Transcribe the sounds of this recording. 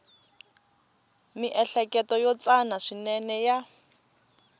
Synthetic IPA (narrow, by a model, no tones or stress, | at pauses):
miʔɛɬɛkɛtɔjɔt͡sanaʂinɛnɛja